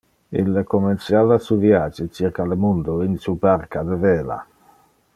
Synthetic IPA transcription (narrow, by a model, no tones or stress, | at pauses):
ḭlːəkomensjaːvasuːvjaːd͡ʒit͡ʃirkalemund̪oinsubarkad̪əveːla̰